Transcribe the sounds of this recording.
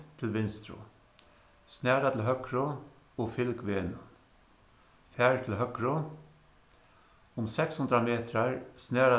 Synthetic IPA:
t̪ʰɪlʋɪnst̪ɾʊ̰ | snæːɾat̪ʰɪlɦœkɾʊ | ɔfɪlkʋeːnʊ | fæːɹt̪ʰɪlɦœkɾʊ | ʊmsɛkshʊnt̪ɾameːt̪ɾaɹsnæːɾa

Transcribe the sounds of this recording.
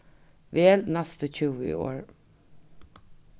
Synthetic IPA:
ʋeːlnæst̪əcʰʉwḭo̰ːɹ

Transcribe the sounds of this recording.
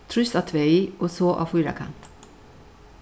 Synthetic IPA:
t̪ʰɾʏsat̪ʰʋeːiːʔosoːʔɑ̰ːfuːɾa̰kʰa̰nt̪

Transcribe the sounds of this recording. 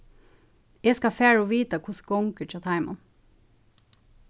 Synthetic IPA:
eːskɑfæːɹoːʋiːt̪ɑkʰʊsɡɔŋkət͡ʃʰɑt̪ʰɑɪmɑ̰n

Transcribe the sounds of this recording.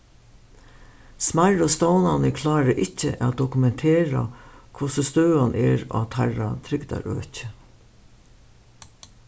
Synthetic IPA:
smaɹɔst̪ownanəkʰlɑːɾəʔɪcːə̰ʔa̰d̪ɔkʉmɛnt̪ʰeːɾa̰kʰʊsəst̪øːanʔɛːɹa̰t̪ʰaɹa̰t̪ʰɾɪɡd̪a̰ɾø̰ːcə

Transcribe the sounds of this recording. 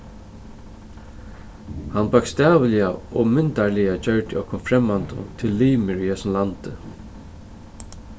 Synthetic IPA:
hanpɑkst̪ɛːʋəlijaɔmʏnt̪aɹlɪjat͡ɕœɹt̪ɪɔkʰːʊnfɾɛmːant̪ʊ̰t̪ʰɪlːiːmɪɹyhɛsnlant̪ɪ

